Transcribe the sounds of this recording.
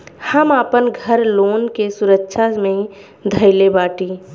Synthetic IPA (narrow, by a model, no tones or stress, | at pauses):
həmaːpənɡʱəɾloːnkesʊɾəkːʃʰamẽ | d̪ʱəɪlebaːʈiː